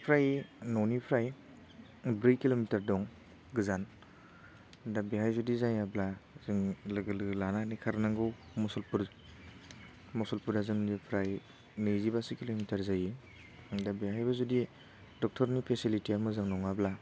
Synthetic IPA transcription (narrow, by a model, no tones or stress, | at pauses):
pʰɾajnɔwnipʰɾaj | bɾijkːilomitaɾdɔŋ | ɡɯzan | dabiɦajzudizaŋjablazɯŋlɯɡɯlɯɡlananikʰaɾnaŋɡɯw | mɔsɔlpuɾ | mɔsɔlpuɾdazɯŋnipʰɾaj | nɯjzibasɯkilomitaɾzaji | dabiɦajbazudi | dɔk̚tʰɔɾnipʰesilitiamɯzɯŋnɔŋabla